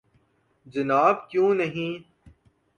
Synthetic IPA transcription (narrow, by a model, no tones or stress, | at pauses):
d͡ʒɐnaːb̚kjũːnɐɦĩː